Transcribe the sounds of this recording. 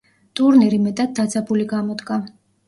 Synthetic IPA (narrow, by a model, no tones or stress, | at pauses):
t̪ʼuɾniɾimɛt̪ʼad̪̚d̪at̪sʰʼabuliɡamɔd̪ɡa